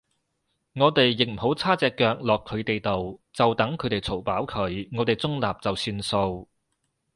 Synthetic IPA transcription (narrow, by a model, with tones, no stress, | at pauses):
ŋɔː˨˧t̪e˨jːɪ˨k̚m̩˨˩ho˨˥wt͡sʰaː˥t͡sɛː˧kːœː˧k̚lɔː˨kʰːɵ˨˧ɥt̪e˨jt̪o˨wt͡sɐ˨wt̪ɐ˨˥ŋkʰɵ˨˧t̪e˨jt͡sʰo˨˩wpaː˨˥wkʰɵ˨˧˥ɥŋɔː˨˧t̪e˨˩jt͡sʊ˥ŋlaː˨p̚t͡sɐ˨wsyː˧nso˧w